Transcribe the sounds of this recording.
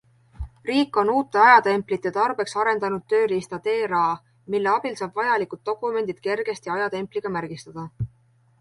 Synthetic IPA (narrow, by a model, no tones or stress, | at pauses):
riːkːˑo̞nuːt̪ːˑe̞ɑjɑt̪e̞mpˑlit̪ˑːet̪ɑrb̥e̞ksɑɾe̞nd̪ɑnud̪̥̚t̪ːø̞ːlist̪ɑt̪e̞ːɾɑː | milːe̞ɑb̥ilsɑːb̥vɑjɑlikˑud̪̥̚ːo̞kːˑume̞nd̪̥id̪̥ke̞rɡ̥e̞st̪iɑjɑt̪e̞mpˑliɡ̥ɑmærɡ̥ist̪ɑd̪̥ɑ